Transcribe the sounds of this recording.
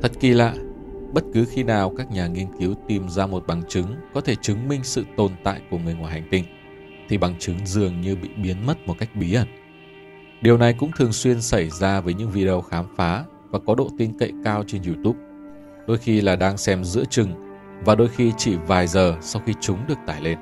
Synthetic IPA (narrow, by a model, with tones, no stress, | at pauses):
t̪ʰə˦˥t̚ki˧la̰ː˧˨ɓə˦˥t̚kɨ˨˦xi˧naː˨˩wkaː˦˥k̚ɲaː˨˩ŋi˧ənki˨˦wt̪i˨˩mzaː˧mo˨˩t̚ɓa˨˩ŋt͡ɕɨ˨˦ŋkɔ˨˦t̪ʰe˧˩t͡ɕɨ˨˦ŋmï˧ŋ̟sɨ̰˧˨t̪o˨˩nt̪a̰ː˧˨jku˧˩əŋɨ˨˩əjŋwaː˨˩jɦa˨˩jŋ̟t̪ï˧˩ŋ̟ | t̪ʰi˨˩ɓa˨˩ŋt͡ɕɨ˨˦ŋzɨ˨˩əŋɲɨ˧ɓḭ˧˨ɓi˨˦ənmə˦˥t̚mo˨˩t̚ka˦˥jk̚ɓi˨˦ʔə˧˩n | ɗi˨˩əwna˨˩jkʊ̰˧˥ŋ͡mt̪ʰɨ˨˩əŋswi˧ənsa˧˩jzaː˧vəː˨˦jɲɨ̰˧˥ŋvi˧ɗə˧wxaː˨˦mfaː˨˦ | vaː˨˩kɔ˨˦ɗo̰˧˨t̪i˧nkə̰˧˨jkaː˧wt͡ɕe˧nzu˧t̪u˦˥p̚ | ɗo˧jxi˧laː˨˩ɗaː˧ŋsɛ˧mzɨ̰˧˥ət͡ɕɨ˨˩ŋ | vaː˨˩ɗo˧jxi˧t͡ɕi˧˩vaː˨˩jzəː˨˩sa˧wxi˧t͡ɕʊ˨˦ŋ͡mɗɨ˨˩ək̚t̪aː˧˩jle˧n